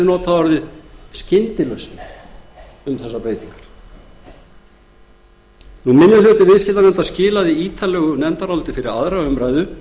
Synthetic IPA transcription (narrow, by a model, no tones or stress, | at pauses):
nɔːt̪ʰavaɾðɪðscɪnt̪ɪlœsnɪ | ʏmθɛsːapɾeːjt̪iŋkḁɾ̥ | numɪnːɪlʏːt̪ɪvɪðscɪt̪anɛnt̪ascɪːlaðiiːt̪ʰalɛːɣʏnɛnt̪aɾawlt̪ɪfɪɾɪɾaðɾaʏmɾaːjðʏ